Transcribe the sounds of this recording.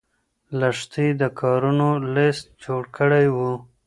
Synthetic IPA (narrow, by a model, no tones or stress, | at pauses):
laʂt̪id̪əkʰɑːɾunolɪst̪̚d͡ʒoɽkʰəɽajwu